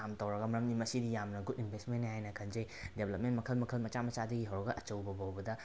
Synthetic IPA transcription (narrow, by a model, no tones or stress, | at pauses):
amtɐwɾɐɡɐmɐɾɐmnimɐsidijamnɐɡudinbʱestmenːɦajnɐkʰɐnd͡ʒejdebʱlɐp̚mentmɐkʰɐlmɐkʰɐlmɐt͡ʃamɐt͡ʃadɐɡiɦɐwɾɐɡɐʔɐt͡ʃɐwbɐbawbɐdɐ